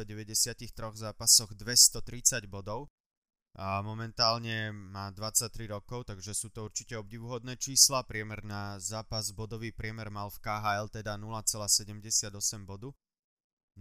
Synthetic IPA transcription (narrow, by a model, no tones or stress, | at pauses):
ɔɟɛʋɛɟɛsɪacixt̪ɾɔɣzaːpasɔɣd̪ʋɛst̪ɔt̪ɾit͡saɟbɔd̪ɔʊ | mɔmɛnt̪aːlɲɛmaːd̪ʋat͡sac̚t̪ɾiɾɔkɔʊt̪aɡʒɛsuːt̪ɔuɾt͡ʃicɛɔbɟiʋuɦɔd̪nɛːt͡ʃiːslapɾɪɛmɛɾnazaːpazbɔd̪ɔʋipɾɪɛmɛɾmalfkaːɦaɛlt̪ɛd̪anulat͡sɛlaːsɛɟɛmɟɛsɪad̪ɔsɛmbɔd̪u